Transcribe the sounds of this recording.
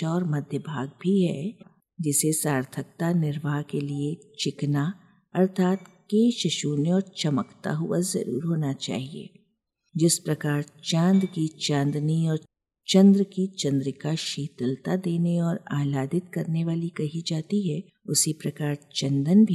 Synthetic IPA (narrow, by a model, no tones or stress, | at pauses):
ɔːɾmɐd̪ʱjəbʱaːɡ̚bʱiɦɛ̰ | d͡ʒɪsesaːɾt̪ʰək̚t̪anɪɾʋaːɦkeliet͡ʃɪkna | ɐɾt̪ʰaːt̪keːʃəʃuːnɔːɾt͡ʃɐməkt̪a̰ɦʊazɐ̰ɾṵːɾɦoːnat͡ʃa̰ːɦiḛː | d͡ʒɪspɾɐkaːɾt͡ʃãːnd̪kit͡ʃãːnd̪niɔːɾ | t͡ʃɐ̃nd̪ɾəkit͡ʃɐ̃nd̪ɾəkaʃiːt̪əlt̪ad̪eːneɔːɾaːlaːd̪ɪt̪kɐɾneʋaːlikɐɦid͡ʒaːt̪iɦɛ | ʊsipɾɐkaːɾt͡ʃɐ̃nd̪ənbʱi